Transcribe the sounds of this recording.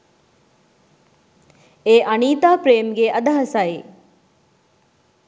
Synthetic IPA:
eːʔɐniːt̪aːpɾeːmɡeʔɐd̪ɐɦɐsaːi

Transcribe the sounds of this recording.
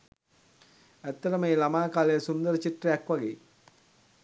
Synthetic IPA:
æt̪ːəɾəməeːlamaːkaːlejəsund̪əɾət͡ɕiʈrəjɛkʋaɡeː

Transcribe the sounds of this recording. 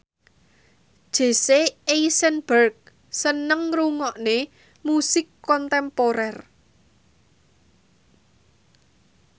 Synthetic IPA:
d̥ʒ̥e̤seejsɛnb̥ərɡ̚ | sənəŋruŋɔʔne | musɪkːɔnt̪ɛmpoɾɛr

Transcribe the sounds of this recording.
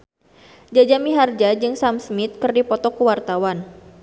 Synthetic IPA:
d͡ʒad͡ʒamiɦard͡ʒad͡ʒɨŋsamsmit̪̚kɨrdipɔt̪ɔkuwart̪awan

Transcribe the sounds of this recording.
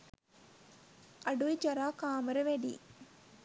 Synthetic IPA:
ɐɖuid͡ʒɐɾaːkaːmɐɾɐʋeɖḭ

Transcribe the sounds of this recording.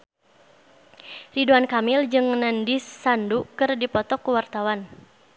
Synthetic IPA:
riduankamɪld͡ʒɨŋnandisːandukɨrdipɔt̪ɔkuwart̪awan

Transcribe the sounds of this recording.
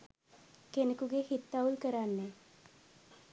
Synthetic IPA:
kenekuɡehit̪ːaulkəɾanːe

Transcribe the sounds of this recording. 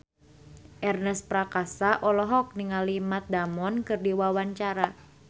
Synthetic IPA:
ʔɛrnɛspɾakasaʔɔlɔɦɔk̚niŋalimat̪̚damɔnkɨrdiwawaɲt͡ʃaɾa

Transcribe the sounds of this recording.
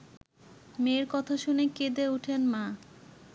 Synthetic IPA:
meɾkɔt̪ʰaʃuneked̪euʈʰenmã

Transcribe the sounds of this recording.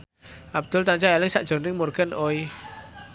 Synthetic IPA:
ʔab̚d̪̥ʊlt̪aɲt͡ʃajalɪŋsa̰ʔd̥ʒ̥o̤nɪŋmurɡ̥anʔoi

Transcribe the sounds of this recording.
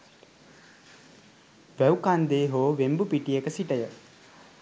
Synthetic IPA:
ʋæukand̪eːɦoːʋembupiʈijekəsiʈəjə

